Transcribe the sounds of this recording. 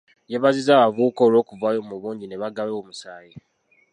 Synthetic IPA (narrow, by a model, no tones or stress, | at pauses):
jeβazizaːβavuːkoːlo̞ːkuvaːjo̞muβuːɲɟine̞βaɡaβewomusaːje